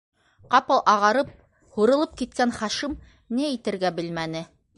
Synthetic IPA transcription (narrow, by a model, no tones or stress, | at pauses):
qɑpɤlˠʔɑʁɑɾɤp̚ | huɾɤ̆lˠɤp̚kit̪̚kænχɑʃim | niit̪ɘ̆ɾɡæbɘlmænɘ